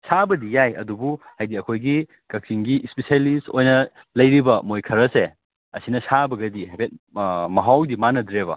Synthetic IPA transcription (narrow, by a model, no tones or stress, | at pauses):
sabɐdijajɐ̰dubuhajdiɐkʰojɡi | kɐk̚siŋɡiʔspesialisojnɐ | lɐjɾibɐmojkʰɐɾɐse | ɐsinɐsabɐɡɐdihajpʰet̚mɐɦawdimanɐdɾebɐ̰